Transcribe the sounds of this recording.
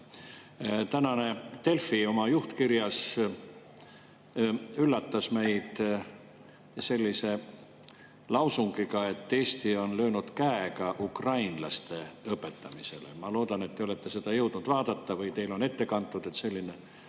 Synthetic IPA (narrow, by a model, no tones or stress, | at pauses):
t̪ænɑne̞t̪e̞lfio̞mɑjuht̪kiɾjɑs | ylːɑt̪ːɑsme̞jd̪̥ | se̞lʲːise̞ | lɑwsuŋɡ̥ikɑe̞t̪ːe̞ːst̪io̞nlø̞ːnud̪̥kæekɑʔukrɑjnlɑ̰st̪e̞ɤpːˑe̞t̪ːˑɑmise̞̰lḛmɑlo̞ːd̪̥ɑnet̪ːeoe̞t̪ːe̞se̞d̪̥ɑjɤwd̪̥nud̪̥vɑːd̪ɑt̪ːɑvɯjt̪e̞jlo̞ne̞t̪ːe̞kɑnt̪ːˑud̪̥et̪se̞lʲːine̞